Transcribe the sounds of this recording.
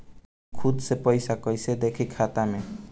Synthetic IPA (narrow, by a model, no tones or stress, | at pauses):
kʰud̪sepɔjsakɔjsed̪ekʰikʰat̪ame